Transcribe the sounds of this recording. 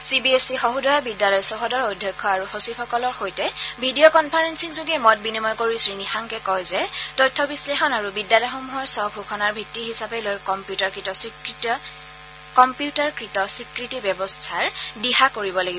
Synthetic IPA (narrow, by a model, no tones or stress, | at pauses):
sibiesixoɦudɔjabidjalɔjsɔɦɔdɔɹojdʱːɔkʰːɔaɹuxosipʰɔkɔlɔɹxojtɛbʱidiokɔnpʰaɹensiŋzoɡɛmɔt̚binimɔjkoɹisɹinixaŋkɛkɔjzɛtɔjtʰːɔbislexɔnaɹubidjalɔjxomuɦɔɹsɔbʱukʰɔnaɹbʱitːiɦisapɛlojkɔmpjutaɹkɹitɔsikit | kɔmpjutaɹkɹitɔsikɹitibjɛbɔstʰaɹdiɦakoɹibɔlaɡiɔ